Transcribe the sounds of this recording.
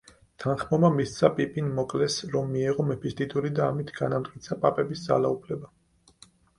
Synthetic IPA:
t̪ʰanχmɔmamist̪sʰapʼipʼinmɔkʼlɛsɾɔmːiɛʁɔmɛpʰist̪ʼid̪ʼuɾid̪aːmit̪ʰɡanamt̪ʼkʼit̪sʰapʼapʼɛbisd̪za̰laupʰlɛba

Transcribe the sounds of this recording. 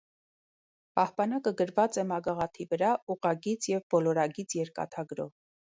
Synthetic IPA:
pɑhpɑnɑkəɡəɾvɑt͡sɛmɑɡɑʁɑt̪ʰivəɾɑuʁɑɡit͡sʰjɛvbɔlɔɾɑɡit͡sʰjɛɾkɑ̰t̪ʰɑɡɾɔ̰v

